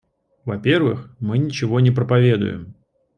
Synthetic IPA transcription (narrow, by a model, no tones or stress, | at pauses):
vɐpʲe̞rvɨ̰xmɨnʲɪt͡ɕɪvo̞nʲɪpɾəpɐvʲe̞d̪ʊ̰jɪ̰m